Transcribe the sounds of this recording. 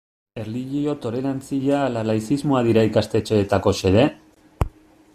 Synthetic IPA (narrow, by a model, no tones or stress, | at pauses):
e̞rliʝio̞t̪o̞ɾe̞ɾant͡siʎaːlalajsizmoaðiɾaikast̪e̞t͡ʃe̞ːt̪ako̞se̞ðe̞